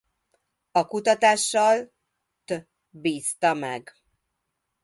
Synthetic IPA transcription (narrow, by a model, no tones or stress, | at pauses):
ɒkut̪ɒt̪aːʃːɒl | t̪ø | biːst̪ɒmɛɡ